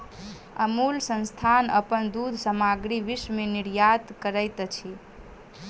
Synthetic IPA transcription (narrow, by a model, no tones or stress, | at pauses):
əmulsə̃nst̪ʰanə̰pənd̪ud̪ʱsəmaɡɾiʋismeniɾjat̪kəɾəjt̪t͡ʃʰi